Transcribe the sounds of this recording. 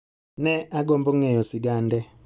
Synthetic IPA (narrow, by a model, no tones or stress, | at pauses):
nɛaɡɔmbɔŋɛjɔsiɡandɛ